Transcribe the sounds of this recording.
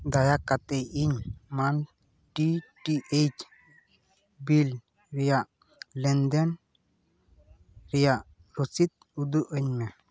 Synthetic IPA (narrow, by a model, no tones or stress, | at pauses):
d̪ajakat̪eiɲman | ʈiʈiʔejt͡ʃ | bil | ɾijaʔ | lɛnd̪ɛn | ɾijaʔ | ɾosit̪̚ | ud̪uʔəɲmɛ